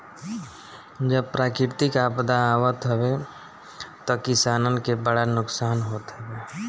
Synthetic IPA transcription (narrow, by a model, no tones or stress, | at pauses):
d͡ʒəb̚pɾaːkɾɪɾt̪ikapd̪aaːwət̪ɦəbe | t̪ɔkɪsaːnənkebəɽanʊksaːnɦoːt̪ɦəbeː